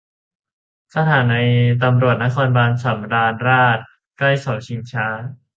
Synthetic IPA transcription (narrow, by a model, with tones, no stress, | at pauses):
sa˧t̪ʰaː˩˦na˧jt̪a˧mɾu˨˩ət̪̚na˦˥kʰɔː˧nbaː˧nsa˩˦mɾaː˧nɾaː˥˩t̪̚ | kla˥˩jsa˨˩˦wt͡ɕʰi˧˦ŋt͡ɕʰaː˦˥